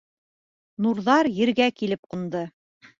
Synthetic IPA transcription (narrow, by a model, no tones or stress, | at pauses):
nuɾðɑɾjɘ̆ɾɡækilɘp̚qund̪ɤ